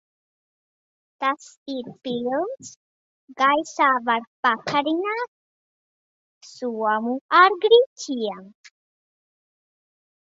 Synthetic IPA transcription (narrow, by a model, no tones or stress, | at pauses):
t̪astiɾpils | ɡajsavaɽpakʰaɾinat | suamuaɾɡɽit͡ɕijaŋ